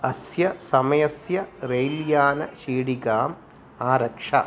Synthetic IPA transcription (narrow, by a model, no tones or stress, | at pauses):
ɐsjɐsɐmɐjɐsjɐɾejljaːnɐʃiːɽiɡaːm | aːɾɐkʂɐ̰